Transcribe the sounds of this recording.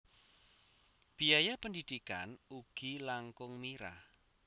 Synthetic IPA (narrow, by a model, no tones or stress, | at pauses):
b̥ijajapəndid̪̥ika̰nuɡ̥ilaŋkʊŋmiɾa̰h